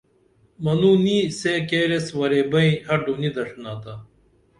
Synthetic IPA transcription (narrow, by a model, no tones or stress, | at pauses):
mɐnuːniseːkeːɾeswɐɾeːbɐĩhɐɾɖuːnid̪ɐʂnaːt̪a